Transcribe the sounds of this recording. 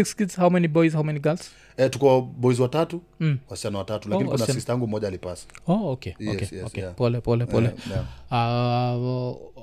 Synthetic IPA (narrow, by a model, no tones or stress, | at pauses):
ikskidz̥hawmɛnibɔjzhawmɛniɡalz̥ | ɛtukaɓɔizwatatu | wasi̥t͡ʃanɔwatatulainiknaistaaŋɡum̩ːɔʄaːlipasḁokeɔ̰keɔkepɔlɛpɔlɛpɔlɛa